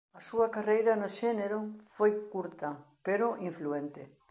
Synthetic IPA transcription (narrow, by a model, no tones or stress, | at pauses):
ɐsuɐkarejɾɐnoʃeneɾofojkuɾt̪ɐpeɾoʔiɱfluent̪e